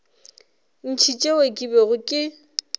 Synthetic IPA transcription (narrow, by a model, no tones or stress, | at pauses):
n̩t͡ʃʰit͡ʃʼewekʼibeɣʊkʼɪ